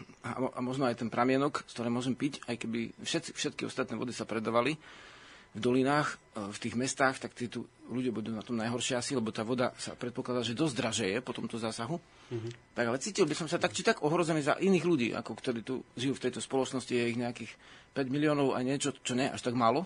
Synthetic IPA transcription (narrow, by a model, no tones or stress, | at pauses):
aɔʔamɔʒnɔajt̪ɛnpɾʔamɪɛnɔkst̪ɔɾɛːmʊɔʒɛmpicajkɛbifʃɛt̪t͡si̥fʃɛt̪̚kiɔ̰st̪at̪nɛːʋɔ̰d̪isapɾɛd̪aːʋali | vd̪ɔlinaːx | ft̪iːɣmɛst̪aːxt̪akt̪iɛːt̪uluɟjabud̪uːnat̪ɔmnajɦɔɾʃɪasilɛbɔt̪aːʋɔd̪asa̰pɾɛt̪pɔklad̪aːʒɛd̪ɔzd̪ɾaʒɛjɛpɔt̪ɔmt̪ɔzaːsaɦu | t̪aɡalɛt͡siːcilbisɔmsat̪akt͡ʃit̪aɡɔɦɾɔzɛniːza̰ʔiniːɣluɟḭːʔa̰kɔkt̪ɔɾiːt̪ṵʒijuːft̪ɛjt̪ɔspɔlɔt͡ʃnɔscijɛiɣɲɛakiːxpɛɟmiliɔːnɔʊa̰jɲɪɛt͡ʃɔt͡ʃɔɲɛjɛʔa̰ʃt̪aɡmaːlɔ